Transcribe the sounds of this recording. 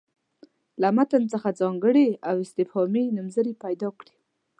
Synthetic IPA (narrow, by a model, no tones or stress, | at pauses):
lamat̪ant͡səxad͡zɑŋɡəɽeawɪst̪ɪfhɑmenʊmzəɾipajd̪ɑkɽi̥